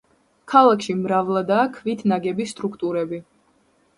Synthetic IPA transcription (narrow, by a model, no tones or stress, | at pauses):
kʰalˠakʰʃimɾavlˠad̪aːkʰvit̪ʰnaɡɛbist̪ʼɾukʰt̪ʼuɾɛbi